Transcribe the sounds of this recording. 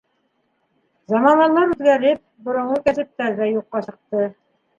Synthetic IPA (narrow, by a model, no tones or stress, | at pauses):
zɑmɑnɑnlɑɾʉðɡæɾɘp̚bŏɾŏɴɤkæsɘ̆p̚t̪æɾðæjuqːɑɕɤ̆q̚t̪ɤ